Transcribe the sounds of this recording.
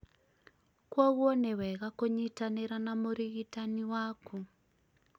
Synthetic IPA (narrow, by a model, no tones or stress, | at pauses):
kwɔɣwonewɛɣakoɲitaneɾanamoɾiɣitaniwaku